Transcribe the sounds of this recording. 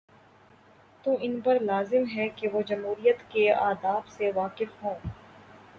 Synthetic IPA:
t̪ũɪnpɐɾlaːzɪmɦɛkeʋod͡ʒɐmɦuːɾijət̪keaːd̪aːbseʋaːkɪfɦõː

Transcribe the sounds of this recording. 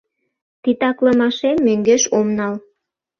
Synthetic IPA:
t̪it̪ɑkləmɑʃemmøŋɡeʃomnɑl

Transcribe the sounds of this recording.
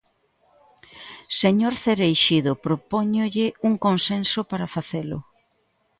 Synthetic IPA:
seɲoɾθeɾejʃiðopɾopoɲʊʎɪuŋkonsensʊpaɾafaθelʊ̰

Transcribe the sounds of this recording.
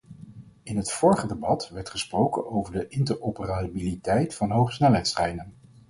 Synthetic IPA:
ɪnɦətfʊːɹχədebɑtʋɛɹtχəsprowkə̰nowvəɹdəʔɪntəɹopərabilitɛjtfɑnɦowχsnɛlˠɦɛjtsχɛjnən

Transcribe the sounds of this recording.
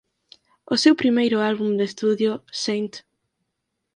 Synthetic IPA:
ʊsewpɾimejɾʊalβumd̪est̪uðjʊsent̪

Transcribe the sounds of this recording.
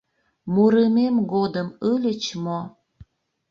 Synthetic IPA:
muɾəmemɡod̪əməlʲət͡ɕmo

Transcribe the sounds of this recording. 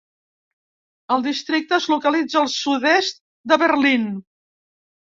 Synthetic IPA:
əlˠd̪ist̪ɾik̚t̪əzlukəlid͡zəːlˠsuðɛst̪̚ | d̪əβəɾlin

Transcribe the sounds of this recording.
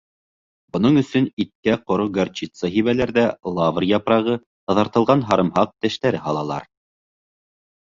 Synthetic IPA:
bŏnɤɴɵ̆sɵnit̪̚kæqŏɾoɡart͡ɕit̪səɦiβælæɾðælˠɑvrjɑpɾɑʁɤ | t̪ɑðɑɾt̪ɤ̆lˠʁɑnɦɑɾɤ̆mhɑq̚t̪æʃt̪æɾɘɦɑlˠɑlˠɑ̰ɾ

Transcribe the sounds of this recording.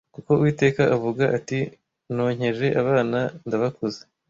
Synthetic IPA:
kuko̞uwiːte̞ːkaʔavuɡaʔati | no̞ːɲ̥e̞ʒe̞ʔaβaːnandaβakoze

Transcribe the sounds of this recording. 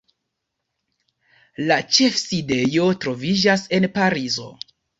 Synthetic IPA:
lat͡ʃe̞fside̞jo̞tɾo̞vid͡ʒase̞npaɾizo̞̰

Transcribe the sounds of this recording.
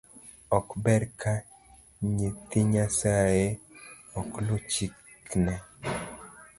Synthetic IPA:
ɔkbɛɾka | ɲet̪iɲasaje | ɔklʊt͡ʃi | knɛ

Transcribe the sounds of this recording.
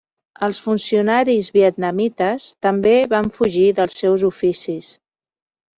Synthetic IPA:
əlˠsfunsiunaɾizβiət̪̚nəmit̪əst̪əmbeβaɱfuʒiðəlˠsːɛwzufisis

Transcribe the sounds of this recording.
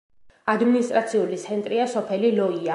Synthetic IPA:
ad̪minist̪ʼɾat̪sʰiulit̪sʰɛnt̪ʼɾiasɔpʰɛlilɔia

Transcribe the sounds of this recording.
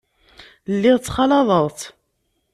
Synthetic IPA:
lːiʁt͡sːχɑlɑðˤəʁˤt̪

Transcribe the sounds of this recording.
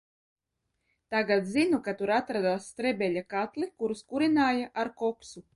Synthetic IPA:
t̪aɡat̪zinukat̪uɾat̪ɾad̪aːst̪ɾɛbʲɛʎʲakat̪lˠikuɾuskuɾinaːjaʔaɾkɔksu

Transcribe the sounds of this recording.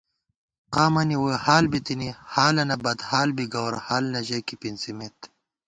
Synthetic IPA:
qaːmɐniwohaːlbit̪inihaːlɐnɐbɐd̪haːlbiɡɐwɾhaːlnɐʑɐkipinsimet̪

